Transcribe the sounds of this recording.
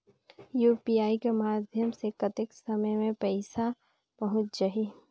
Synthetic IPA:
juːpiːaːikemaːd̪ʱjəmsekɐt̪ɪksəməjmẽpɛɪsa | pɐɦʊt̪d͡ʒaɦiː

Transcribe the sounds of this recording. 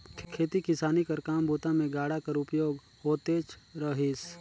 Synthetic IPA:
kʰeːt̪ikɪsaːnikəɾkaːmbʱuːt̪ãmẽɡaːɽakəɾʊpjoːɡ | hoːt̪eːt͡ʃɾəɦis

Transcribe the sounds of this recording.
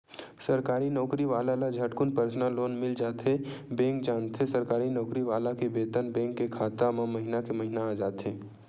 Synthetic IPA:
sɐɾkaːɾinɔːkɾiʋaːlalad͡ʒʱɐʈkʊnpəɾsnaloːnmɪld͡ʒaːt̪ɦebɛ̃ːŋk̚d͡ʒaːnt̪ʰesɐɾkaːɾinɔːkɾiʋaːlakebeːt̪ənbɛ̃ːŋkːekʰaːt̪amãmɐɦɪnakemɐɦɪnaad͡ʒaːt̪ɦeː

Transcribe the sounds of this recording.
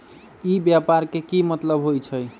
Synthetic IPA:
ibjapaɾkekimət̪ləbɦojt͡ʃʰəj

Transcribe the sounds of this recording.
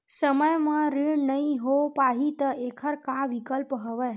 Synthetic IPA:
səməjmãɾiɳnəĩɦopaɦit̪əekʰəɾkãʋikəlpɦəʋe

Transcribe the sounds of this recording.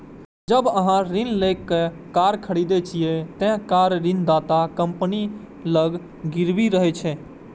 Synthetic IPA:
d͡ʒəbəɦãɾinlekːe | kaɾkʰəɽid̪et͡ʃʰijet̪ɛ̃ɦkaɾɾind̪at̪akəmpni | ləɡ | ɡiɾbiɾəɦɛt͡ʃʰɛ̃

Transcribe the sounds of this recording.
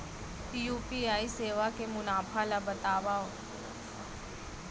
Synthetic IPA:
pijuːpiaːiseːʋakemʊnaːpʰalabɐt̪aːʋao

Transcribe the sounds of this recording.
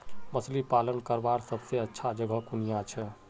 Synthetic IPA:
məslipalənkəɾbaɾsəbseətːʃʰad͡ʒəɡʱəkunijãt͡ʃʰɛ

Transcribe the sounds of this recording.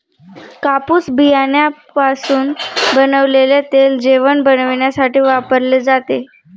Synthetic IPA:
kapuːsbʱijaɳjapasuːnbənəʋleljat̪eld͡ʑeʋəɳbənəʋɳjasaʈiːʋapəɾled͡zat̪e

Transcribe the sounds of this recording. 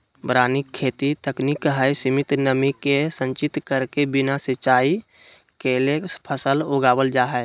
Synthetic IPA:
bɾaːnikʰːeːt̪it̪əknikɦəjsimɪt̪nəmikesə̃ɲt͡ʃɪt̪kəɾkebɪnasɪt͡ʃaːi | kelepʰəsəloːɡaːbəld͡ʒaːɦɛ

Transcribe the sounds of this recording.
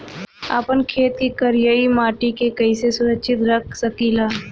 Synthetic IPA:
a̰pənkʰeːt̪kikəɾjəimaːʈikekəɪsesʊɾəkʃʰɪt̪ɾəkʰsəkilaː

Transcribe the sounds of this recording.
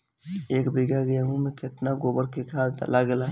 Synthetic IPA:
eːkbiɡaɡjaɦũmẽkɪt̪naɡoːbəɾkekʰaːd̪ə̰lʔaɡɛlaː

